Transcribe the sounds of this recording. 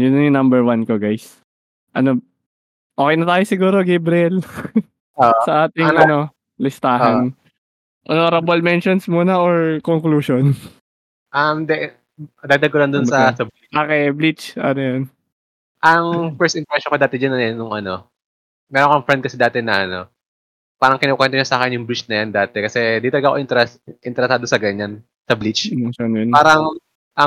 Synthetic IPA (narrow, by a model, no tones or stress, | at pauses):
jʊnːɐjʊnɐmbɛɹwɐnkoɡajs | ʔɐno | ʔoːkɛjnɐt̪aːjosɪɡuːɾoɡejbɾɪɛl | oʔsɐʔaːt̪ɪŋʔɐno̞ | lɪst̪aːɦɐn | ʔonoɾɐbolmɛnʃonsmuːnɐʔoɹkoŋkluːʃon | ʔɐmd̪ɛ | d̪aɡd̪ɐɡ̚kolɐnd̪ʊnsɐsɐb | akɛblit͡ʃʔɐnojɐn | ʔɐŋfɛɹst̪ɪŋkwɛst͡ʃːɔnkod̪aːt̪ɛd͡ʒanɐnʊŋʔɐno̞ | mɛːɾonkoŋfɾɛnd̪̚kɐsid̪aːt̪ɛnɐʔɐno̞ | paːɾɐŋkɪnoːkwɛnt̪oɲasaːkɛnjʊŋbɾit͡ʃnɐjand̪aːt̪ɛkɐsɛd̪iːt̪ɐlɐɡaʔkoʔɪɾɛʔɪnt̪ɛɾɛsaːd̪osɐɡɐɲːan | sɐblit͡ʃmɛnʃonjonpaːɾɐŋ | ʔɐ